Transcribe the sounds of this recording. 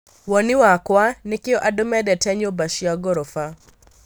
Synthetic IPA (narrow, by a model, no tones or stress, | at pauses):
wɔnɪwakwanɪkɪɔʔadʊmɛdɛtɛɲobaʃiaɡɔɾɔfa